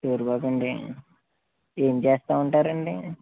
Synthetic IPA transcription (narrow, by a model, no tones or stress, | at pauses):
ʈuːɾbaːkɐɳɖḭ | eːmt͡ʃeːst̪aːuɳʈaːɾɐɳɖi